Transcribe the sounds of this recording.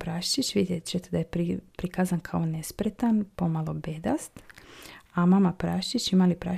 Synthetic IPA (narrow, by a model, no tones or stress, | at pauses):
pɾaʃt͡ʃit͡ʃʋid̪jet͡ʃet̪ed̪ajepipɾikazankʰaonespɾet̪anpomalo̞bed̪ast̪ | amamapɾaʃt͡ʃit͡ʃimalipɾa̰